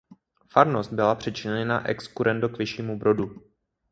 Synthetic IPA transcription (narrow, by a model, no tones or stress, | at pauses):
faɾnost̪̚bɪlapr̝̥ɛt͡ʃɪɲnɛna̰ʔɛ̰kskuɾɛndokvɪʃiːmubɾo̞du